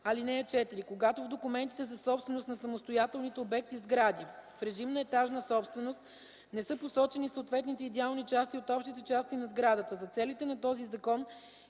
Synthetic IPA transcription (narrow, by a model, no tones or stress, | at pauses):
ɐlinɛət͡ʃɛt̪iɾikoɡat̪ovd̪okʊmɛnt̪it̪ɛzɐsɔpst̪vɛnost̪nɐsɐmost̪ojat̪ɛlˠnit̪ɛobɛk̚t̪izɡɾad̪ifɾɛʒimnəɛt̪aʒnəsɔpst̪vɛnost̪ | nɛsɤposɔt͡ʃɛnisot̪vɛt̪nit̪ɛid̪ɛalˠnit͡ʃast̪iot̪ɔpʃt̪it̪ɛt͡ʃast̪inɐzɡɾad̪ət̪əzɐt̪sɛlit̪ɛnɐt̪ɔzizɐkɔn